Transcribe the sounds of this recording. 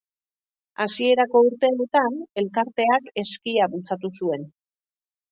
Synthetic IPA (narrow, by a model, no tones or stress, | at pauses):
a̰sie̞ɾako̞uɾt̪e̞ut̪ane̞lkaɾt̪e̞ake̞skiaβult͡sat̪usue̞n